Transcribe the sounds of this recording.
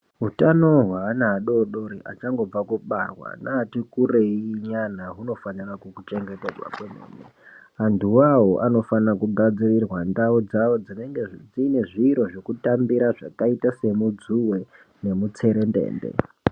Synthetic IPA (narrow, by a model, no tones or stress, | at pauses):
ɦutano̞ɦwaːnaːɗo̞ɗoɾiʔat͡ʃaŋɡo̞b͡vakuɓa̰rwa̰naːtikureiɲan̤aɦuno̞fanirakukut͡ʃe̞ŋɡeted͡zwa̰kwemḛneɦanduwaɦoʔano̞fanakuɡʱad͡zirirwandaud͡zawo̞d͡zineŋɡed͡zine̞ʐiːɾo̞ʐokutambiɾaʐakaitase̞mud͡zuwe | ne̞mut͡se̞ɾendḛːndḛ